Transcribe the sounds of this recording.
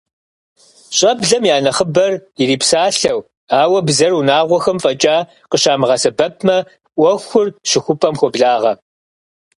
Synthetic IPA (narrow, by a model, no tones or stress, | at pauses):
ɕʼɐbɮɐmjaːnɐχəbɐriɾiːpsaːɬɐw | aːwɐbzɐrunaːʁʷɔxɐmfʼɐt͡ʃʼaː | qəɕaːmɨʁɐsɐbɐp̚ʰmɐ | ʔʷɔxʷʊrɕɪxʷʊpʰʼɐmxʷɔbɮaːʁɐ